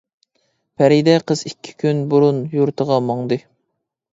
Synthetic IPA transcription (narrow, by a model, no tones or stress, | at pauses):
pʰɛɾid̪ɛqʰəz̥ikʲʰːi̥kʲʰynbuɾunjuɾt̪ʰəʁɑmɑŋd̪ɨ